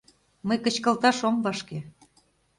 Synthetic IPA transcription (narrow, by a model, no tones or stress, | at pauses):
məjkə̆t͡ɕkə̆lt̪ɑʃomvɑʃke